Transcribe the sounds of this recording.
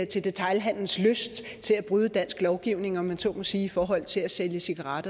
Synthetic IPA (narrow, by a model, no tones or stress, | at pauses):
t͡sʰe̝ld̥e̝t͡sʰɑ̈ɪlɦæn̰ln̩sløsd̥ | t͡sʰe̝læb̥ʁyːð̞ˠəd̥æn̰sɡ̥lɒʊɡ̥iʊ̰ne̝ŋɒ̽mːænso̰̥ːmo̽siːifɒːɦɒ̽l̰t͡sʰe̝læseljəsiɡ̥ɑʁɑd̥